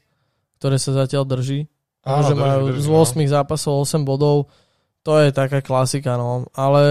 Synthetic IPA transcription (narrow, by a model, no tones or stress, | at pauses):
k̚t̪ɔɾɛːsazacɪald̪r̩ʒiː | aɔʒɛmmajuːzʊɔsmiɣzaːpasɔʊɔsɛmbɔd̪ɔʊ | t̪ɔjɛt̪akaːklasikanɔalɛ